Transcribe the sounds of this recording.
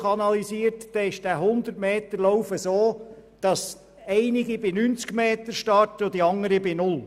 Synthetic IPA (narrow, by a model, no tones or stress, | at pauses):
ɑnɑlisiːəɾtdɛɪʃd̥æɦʊnd̪əɾtmeːt̪əɾlowfəsoːd̪̥ɑs | ɛɪniɡibinynt͡skmeːt̪əɾʃtɑrtəod̪iɑŋːəɾibinʊl